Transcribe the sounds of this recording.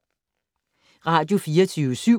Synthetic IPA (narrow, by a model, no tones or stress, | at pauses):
ʁɑ̰t͡ɕufiːɐt͡sʰysy̰